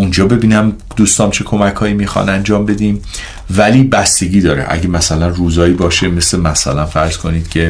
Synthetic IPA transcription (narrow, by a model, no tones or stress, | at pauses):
und͡ʒɒːbe̞biːnæm | d̪uːst̪ɒːmt͡ʃʰe̞kʰo̞mækʰhɒːiːmiːxɒ̰nænd͡ʒɒːmbe̞d̪iːm | væliːbæst̪e̞ɡiːd̪ɒːɾḛʔæ̰ɟe̞mæsælænruːzɒːiːbɒːʃe̞me̞slemæsæ̰lænfæɾz̥kʰo̞niːd̪̥cʰe̞